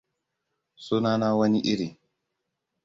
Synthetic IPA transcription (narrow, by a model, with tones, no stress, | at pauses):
su˦naː˦naː˦wɐ˦ni˦ʔi˦ɾi˨